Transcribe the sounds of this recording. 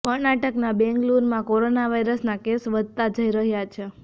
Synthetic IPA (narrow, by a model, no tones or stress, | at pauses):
kəɽnaʈəknabɛ̃ŋɡluɾmãkoɾonaʋaiɾəsnakesʋəd̪̚ʱt̪ad͡ʒəiɾəɦjat͡ʃʰe